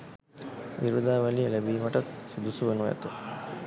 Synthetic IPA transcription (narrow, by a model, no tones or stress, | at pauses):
ʋiɾud̪aːʋælijəlebiːmaʈat̪sud̪usuʋənujɛ̰t̪ə